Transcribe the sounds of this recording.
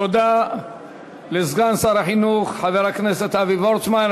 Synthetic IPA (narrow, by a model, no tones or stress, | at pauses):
od̪a | lezɡansaɾaħinuχħaveʁhakneset̪avivoɾt͡sman